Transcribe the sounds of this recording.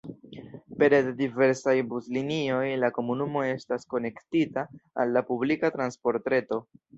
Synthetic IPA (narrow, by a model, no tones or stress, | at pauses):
pe̞ɾddive̞ɾsajbuzlinio̞jlako̞munumo̞e̞stasko̞ne̞ktita̰ːlːapublikatɾanspo̞ɾtɾe̞to̞